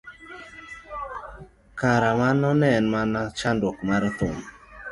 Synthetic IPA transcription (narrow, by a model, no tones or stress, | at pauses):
kaɾamanɔnɛnmanat͡ʃandʊkmaɾt̪ʊm